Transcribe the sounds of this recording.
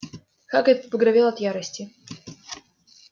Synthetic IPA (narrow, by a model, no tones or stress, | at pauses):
xakɛt̪əppəɡɾɐvʲelˠɐt̪jaɾəsʲtʲɪ